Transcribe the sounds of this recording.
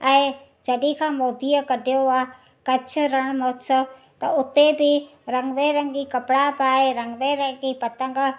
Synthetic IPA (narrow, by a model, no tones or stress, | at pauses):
ɛ̃ | d͡ʒɐɗĩkʰãːmoːd̪iːəkɐɖʱjoaː | kɐt͡ʃʰʊɾɐɽ̃moːsə | t̪ɐʊt̪ebɪɾɐ̃ŋɡʋeːɾə̃ŋɡikɐpɽapaːeɾɐŋɡʋeːɾə̃ɡipɐt̪ə̃ŋɡ